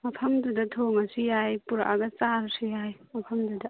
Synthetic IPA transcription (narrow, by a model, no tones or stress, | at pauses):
mɐpʰɐmdudɐtʰoŋɐsijajpuɾa̰ʔaɡɐt͡ʃaɾsijajmɐpʰɐmdudɐ